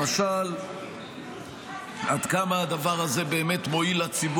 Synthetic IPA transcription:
maʃal | ad̪kamaːd̪avaʁaze̞be̞ːme̞t̪mo̞ilat͡sib

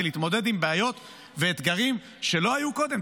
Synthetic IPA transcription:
liːt̪mo̞d̪e̞d̪imbeajo̞t̪ | veːt̪ɡaʁim | ʃe̞lo̞ajuko̞d̪e̞m

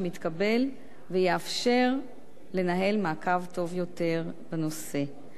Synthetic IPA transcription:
mit̪kabe̞l | vejeafʃe̞ʁ | le̞naɦe̞lmaːkavto̞vjo̞te̞ʁ | beno̞se̞

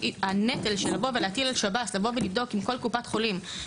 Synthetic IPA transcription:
anetelʃelavo̞veleat̪ilalʃabatlavo̞velivd̪o̞kimko̞lkupatχo̞lim

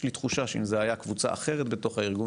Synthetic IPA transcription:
lit̪χuʃaʃeimzeajakvut͡sa̰ʔaχe̞ʁet̪be̞t̪o̞χhaiʁɡu

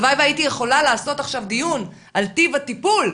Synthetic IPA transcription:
vajvajitijeχo̞lalaːso̞t̪aχʃavd̪ijun | ʔalt̪ivatipul

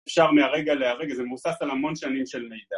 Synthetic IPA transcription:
fʃaʁmeaʁeɡaleaʁeɡazemusasalhamo̞nʃanimʃelmejda

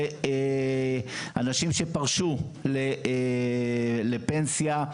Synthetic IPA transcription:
anaʃimʃepaʁʃu | le | le̞pensja

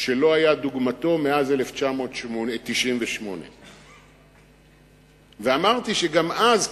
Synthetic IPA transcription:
ʃelo̞ɦajad̪uɡmat̪o̞meazeleft͡ʃamo̞ːt̪ʃmonet̪iʃʔimveʃmo̞̰nḛ | veamaʁt̪iʃeɡamaz

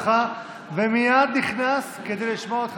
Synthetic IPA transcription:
χa | vemijad̪niχnasked̪ejliʃmoot̪χ

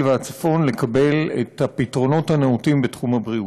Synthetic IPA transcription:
veat͡sḁfo̞nle̞kabe̞lḛthapitʁo̞no̞thaneutimbetχumabʁiu

